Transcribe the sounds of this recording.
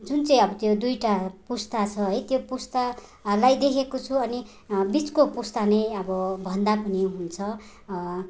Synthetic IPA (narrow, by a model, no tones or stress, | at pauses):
d͡zunt͡sʌĩʌbʌt̪jod̪ujʈapust̪at͡sʰʌɦʌjt̪jopust̪a | lajd̪ekʰekot͡sʰuʌni | bit͡skopust̪anʌjʌbʌbʱʌnd̪apʌniɦunt͡sʰʌ